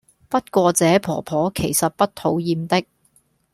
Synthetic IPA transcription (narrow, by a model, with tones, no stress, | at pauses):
pɐ˥t̚kʷɔː˧t͡sɛː˨˥pʰɔː˨˩pʰɔː˨˥kʰe˨˩jsɐ˨t̚pɐ˥t̚t̪ʰo˨˥wjiː˨mt̪ɪ˥k̚